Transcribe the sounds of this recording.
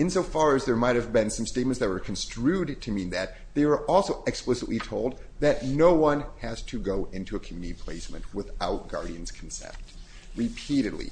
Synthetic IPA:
ɨ̃nsoʊfɑɹɨzðə˞maɪt̚hɨvbɪ̃nsʌ̃msteɪt̚mɨ̃nsðɨt̚wə˞kʰn̩stɹ̥ʉd̚tʰɨmĩnðɨt̪̚ðeɪwə˞ʔɔlˠsoʊʔɨksplɪsɨʔˡlitʰoʊlˠd̪̚ðɨtⁿnoʊwʌ̃nhɨz̥tʰɨɡoʊʔɪ̃ntʰʉɨkʰmjʉnɨɾipʰl̥ḛɪsmɨ̃nʔwɪθaʊt̚ɡ̥ɑ̰ɹɾiɨ̃nz̥kʰn̩sɛ̰̃mp̚t | ɹɨpʰiɾɨdˡlḭ

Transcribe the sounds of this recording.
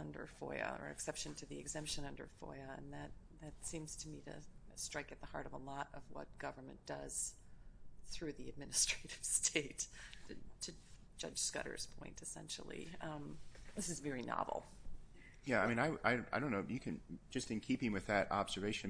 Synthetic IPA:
ʌ̃ndə̰˞fɔ̰ɪɨ̰ə̰˞ɨ̰ksɛpʃɨ̃ntʰɨðiɨɡzɛ̃mpʃɨ̃nʌ̃ndə̰˞fɔ̰ɪɨɨ̰̃nðɨt̪̚ | ðɨtsĩmz̥tʰɨmiɾɨ̰stɹ̥aɪkɨt̪̚ðəhɑ̰ɹɾʌvəlɔɾʌvwʌ̰t̚ɡ̥ʌvə˞mɨ̰̃nd̥ʌz̥ | θɹʉðiɨd̚mɪnɨstɹ̥eɪɾɪv̥stʰeɪtʰɨtʰɨ̥ | d͡ʒʌ̰d̥ʒ̥skʌ̰ɾə̰˞z̥pʰɔ̰̃ɪ̃ntʰɨsɛ̰̃nʃl̩ˠḭʌ̃ðɪsɨzvɛɹinɑ̰vl̩ˠ | jæaɪmĩnaɪʔaɪaɪɾõʊ̃nːoʊjɨkʰɨ̃nd͡ʒʌstɨ̃nkʰipɪ̃ŋwɨðɨɾɑbzə˞veɪʃɨ̃n

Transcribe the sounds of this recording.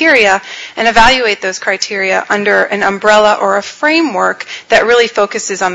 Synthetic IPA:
ɪɹiɨʔɨ̃ñɨvælˠjʉeɪt̪̚ðoʊz̥kʰɹ̥aɪtʰɪɹiɨ̰ʔʌ̃ndə˞ʔɨ̃nə̃mbɹɛlˠəʔə˞əfɹẽɪ̃mwɜ˞kðɨʔ̚ɹɪlˠifoʊkɨsɨzn̩

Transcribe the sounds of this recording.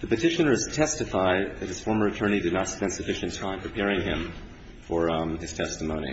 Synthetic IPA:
ðɨpɨtʰɪʃɨ̃nə˞z̥tʰɛstɨfaɪd̪̚ðɨt̚hɨz̥fɔɹmə˞ɨtʰɜ̃˞ɾ̃idɨdⁿnətspɛ̃ndsɨfɪʃɨ̃ntʰãɪ̃mpʰɹ̥ɨpʰɛɹɪ̃ŋɪ̃ɱ | fə˞ɨz̥tʰɛstəmõʊ̃nḭ

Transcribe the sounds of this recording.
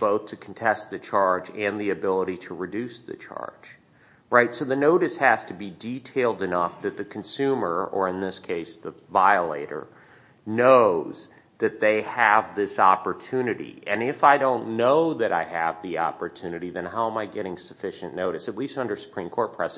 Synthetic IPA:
b̥oʊθtʰɨkʰn̩tʰɛst̪̚ðɨt͡ʃʰɑɹd͡ʒɨ̃nðiɨbɪlˠəɾiɾəɹɨdʉsðɨ̰t͡ʃʰɑ̰ɹd̥ʒ̥ | ɹaɪtsoʊðɨnoʊɾɨshæz̥tʰɨbiditʰeɪlˠdɨnʌfðɨt̪̚ðɨkʰn̩sʉmə˞ə̰˞ɨ̃nðɪskʰeɪsðəvaɪəlḛɪɾə̰˞ | noʊz̥ | ðɨt̪̚ðeɪɨvðɪsɑpə˞tʰʉnɨɾḭʔɨ̃nɪfaɪdõʊ̃nːoʊðɨɾaɪɨvðiɑ̰pə˞tʰʉnɨɾiðɨ̃nɦaʊə̃maɪɡɛɾɪ̃ŋsɨfɪʃɨ̃nnoʊɾɨsɨtˡlistʌ̃ndə˞sə̥pʰɹ̥ĩmkʰɔɹt̚pʰɹ̥ɛz

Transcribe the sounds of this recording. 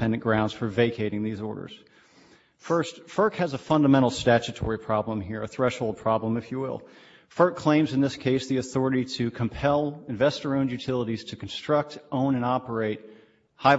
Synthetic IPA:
ɛ̃ndɨ̃nɡ̥ɹãʊ̃ndz̥fə˞veɪkʰeɪɾɪ̃ŋðizɔ̰ɹɾə̰˞z̥ | fɜ˞stfɜ˞khɨzəfʌ̃ndəmɛ̃ɾ̃l̩ˠstæt͡ʃɨtʰɔ̰ɹipʰɹ̥ɑblə̃mɦiɹɨθɹɛʃhoʊlˠd̚pʰɹ̥ɑblə̃mɨfjɨwɪ̰lˠ | fɜ˞kʰl̥ẽɪ̃mzɨ̃nðɪskʰeɪsðiɨθɔɹɨɾiɾɨkʰə̃m̩pʰɛlˠɨ̃ɱvɛstə˞õʊ̃njʉtʰɪlˠəɾiz̥tʰɨkʰn̩stɹ̥ʌk̚tʔõʊ̃ñɨ̃nɑpə˞eɪt̚ | haɪ

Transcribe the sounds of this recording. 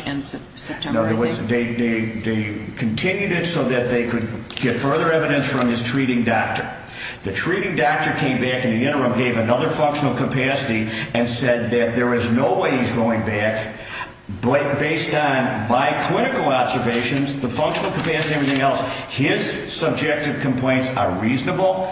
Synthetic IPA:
n | tʰnoʊwʌðeɪðeɪðeɪkʰɨn̩tʰɪ̃njʉɾɨtsoʊðɨt̪̚ðeɪkʰɨd̚ɡ̥ɛtfɜ˞ðə˞ɛvɨɾɨ̃nsfɹʌ̃mɨz̥tʰɹ̥iɾɪ̃ŋdɑk̚tə˞ | ðɨtʰɹ̥iɾɪ̃ŋdɑk̚tə˞kʰẽɪ̃mbækɨ̃n̩ðiɪ̃ɾ̃ə˞ʌ̃mɡeɪvɨnʌðə˞fʌ̃ŋkʃn̩l̩ˠkʰəpʰæsɨɾiɨ̃nsɛd̪̚ðɨt̪̚ðə˞ɨznoʊweɪizɡoʊɪ̃ŋbæk | beɪstn̩baɪkʰl̥ɪ̃ɾ̃ɨkl̩ˠɑbzə˞veɪʃɨ̃nzðəfʌ̃ŋkʃən̩l̩ˠkʰəpʰæsɨiɛvɹiθɪ̃ŋɛlˠshɪz̥ | sʌb̚d͡ʒɛk̚tɨv̥kʰm̩pʰl̥ẽɪ̃ntsə̰˞ɹiznəbl̩ˠ

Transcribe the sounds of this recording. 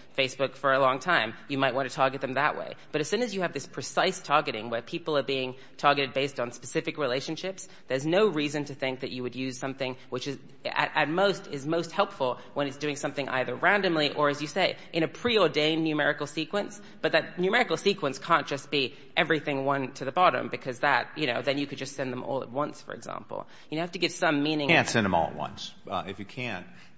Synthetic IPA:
feɪsb̥ʊkfə˞əlɔ̃ŋtʰãɪ̃mjɨmaɪʔ̚wɑ̃ntʰɨtʰɑɹɡɨt̪̚ðɨ̃mðəʔwḛɪb̥ʌɾɨz̥sʉ̃nɨzjɨːvðɪspʰɹ̥ɨsaɪstʰɑɹɡɨɾɪ̰̃ŋwə˞pʰipl̩ˠə˞biɪ̃ŋ | tʰɑɹɡɨɾɨd̚beɪstn̩spɨsɪfɨkɹileɪʃɨ̃n̩ʃɪps | ðə˞znoʊɹizɨ̃ntʰɨθɪ̃ŋk̚ðɨt͡ʃɨwɨdjʉz̥sʌ̃mθɪ̃ŋwɨt͡ʃɨz | ɨ̰ɾʔɨt̚moʊstɪzmoʊst̚hɛlˠpfl̩ˠ | wə̃ñɨtsd̥ʉɪ̃ŋsʌ̃mθɪ̃ŋʔa̰ɪðə˞ɹæ̃ndɨ̃mliʔə˞ɨzjɨseɪʔɨ̃ɾ̃ɨpʰɹ̥iɔɹdẽɪ̃nːʉmɛɹɨkl̩ˠsikwə̃ns | b̥ʌt̪̚ðɨt̚ⁿnʉmɛɹɨkl̩ˠsikwə̃nskʰæ̃nd̥ʒ̥ʌsb̥i | ʔɛvɹiθɪ̃ŋwʌ̃ntʰɨðɨbɑɾɨ̰̃mbɨkʰʌzðət̚jɨñoʊðɨ̃njɨkɨd̚d͡ʒʌstsɛ̃nðə̃mʔɔ̰lˠə̰t̚wʌ̃nsfə̰˞ɨ̰ɡzæ̰̃mpl̩ˠ | jɨhæftɨɡɪvsʌ̃mːĩnɪ̃ŋkʰæ̃ntsɛ̃nðə̃mɔ̰lˠə̰t̚wʌ̰̃nsɨfjɨkʰæ̃nt̚

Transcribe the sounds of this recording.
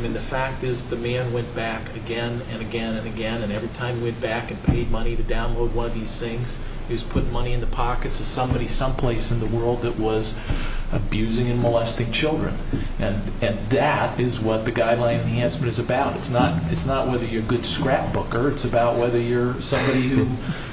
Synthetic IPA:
aɪmĩnðɨfæk̚tɪzðɨmæ̃nwɛ̃nb̥ækɨɡɛ̃nɨ̃nɨɡɛ̃nɨ̃nɨɡɛ̃nɨ̃nɛvɹitʰãɪ̃mjwɛ̃nb̥ækɨ̃n̩pʰeɪd̚mʌñiɾɨdãʊ̃nloʊd̚wʌ̃nʌvðiz̥θɪ̃ŋz̥ | hiwʌz̥pʰʊt̚mʌñiɨ̃nðəpʰɑkɨtsʰɨ̥sʌ̃mbɑɾisʌ̃mpʰl̥eɪsɨ̃nðəwɜ˞lˠd̪̚ðɨʔ̚wʌz | ɨbjʉzɪ̃ŋɨ̃nməlɛstɪ̃ŋt͡ʃʰɪlˠdɹɨ̰̃n | ʔɨ̃n | ɨ̃nðɨɾɪzwʌt̪̚ðɨɡaɪdˡlãɪ̃nɨ̃nɦæ̃nsmɨ̃ñɨzɨbaʊɾɨtsnəɾɨtsnəʔwɛðə˞jə˞ɡʊd̥skɹæp̚b̥ʊkə˞ɨtsɨbaʊʔ̚wɛðə˞jə˞sʌ̃mbɑɾihhu

